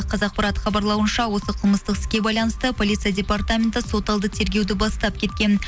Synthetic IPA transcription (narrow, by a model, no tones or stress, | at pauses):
qʰɑzɑq̚pɑɾɑt̪əχɑbɑɾlˠɑwənʃɑwo̞səqʰəlˠməst̪əqɪ̥skʲe̞bɑjlˠɑnəst̪əpʰo̞lʲˠit̪sɨijadʲe̞part̪amʲe̞nt̪əso̞t̪ɑlˠd̪ət̪ʰe̞ɾɡʲe̞wd̪ɪbɑst̪ɑp̚kʲʰe̞t̪̚kʲe̞n